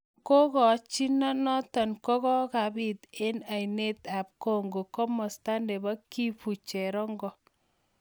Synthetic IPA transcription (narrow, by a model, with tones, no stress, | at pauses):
ko˦kɔ˨t͡ʃi˦nɔ˦nɔ˦tɔ˨nkɔ˦kɔ˦ka˨bi˦t̪e˦na˨jne˦t̪a˨p̚ko˦ŋɡo˨kɔ˦mɔ˨sta˦nde˨ba˦ki˦fu˨t͡ʃɛ˨ɾɔ˦ŋɡɔ˦